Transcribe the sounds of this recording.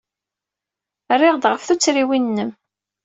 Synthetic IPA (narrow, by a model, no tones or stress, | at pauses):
rːɪʁd̪ʁəfθut͡sːɾiwinːəm